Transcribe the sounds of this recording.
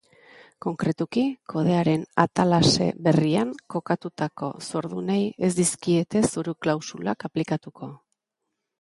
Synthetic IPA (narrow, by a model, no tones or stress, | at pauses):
ko̞ŋkɾe̞t̪ukikʰo̞ð̞e̞aɾe̞na̰t̪alase̞̰βe̞riaŋko̞kat̪ut̪ako̞̰so̞ɾð̞uneje̞zd̪iskie̞t̪e̞suɾuklawsulakaplikat̪ukʰo̞